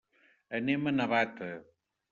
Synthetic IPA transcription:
ənemənəβat̪ə

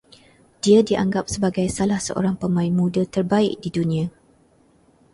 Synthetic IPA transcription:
d̥iadiʔaŋɡap̚səbaɡajsalahsə̰ʔo̰ɾaŋpəmãinmũdat̪ərbaɪʔ̚didunĩã

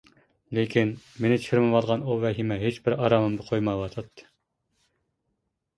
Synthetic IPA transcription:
lekʲʰinmenɪt͡ʃʰɪɾmɪvɑlˠʁɑnuvɛɦimɛɦet͡ʃbɪɾɑɾɑmɨmd̪ɨqʰojmɑwɑt̪ʰɑt̪ʰːɨ̥

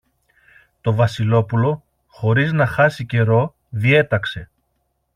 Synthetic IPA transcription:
t̪o̞vɐsilo̞pulo̞ | xo̞ɾiznɐxɐsice̞ɾo̞ | ðie̞t̪ɐkse̞

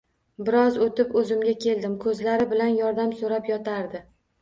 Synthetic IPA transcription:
bɪɾɒzot̪ɪpɵzɪmɡʲakʲʰe̞ld̪ɪmkʰɵzlaɾɪbɪlanjɒɾd̪amsoɾapjɒt̪ʰaɾd̪ɪ

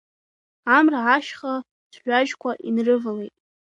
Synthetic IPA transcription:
amraʕaʃχa | sʰħʷᶣaʒkʷʰaʔinrɨvalejtʼ

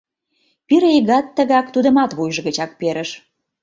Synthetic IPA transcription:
piɾeɣɑt̪ːəɣɑkt̪ud̪ə̆mɑt̪βujʒəɣət͡ɕɑk̚peɾəʃ

